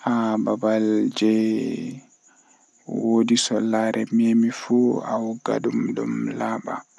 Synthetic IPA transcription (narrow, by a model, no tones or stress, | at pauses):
hababald͡ʒɛ | wodisɔlːaɾʔɛmemifua̰wɡa̰ɗumɗumlaːɓa̰